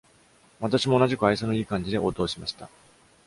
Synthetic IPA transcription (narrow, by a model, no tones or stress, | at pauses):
βat̪aɕimo̞ːnaʑikɯ̟aisonoiːkãɲ̟d͡ʑid̪e̞ʔoːt̪o̞ːɕimaɕi̥t̪a̰